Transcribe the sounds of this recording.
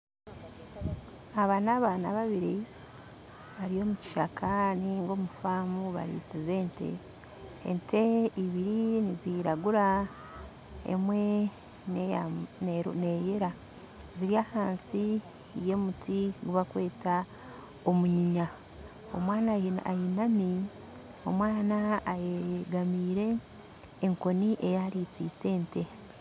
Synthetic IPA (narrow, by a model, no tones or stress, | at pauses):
aβaːnaːβaːna̰βaβiɾi | βaɾijo̞ːmuci̥ʃakʰaniŋɡo̞ːmufaːmuβa̰ɾḭsize̞ːnte̞̰ | ḛnteiβiɾiniziɾaɡuɾa | ḛmwe̞ | ne | ne̞jeɾa | ziɾiaːhaːnsi | je̞mutʰiɡuβakwe̞ːta | omuɲiɲa | o̞̰mwaːnaa̰jinami | o̞̰mwaːnaːjeɡamiːɾe̞ː | ŋko̞niʔe̞jaɾiːt͡siːse̞ːnte̞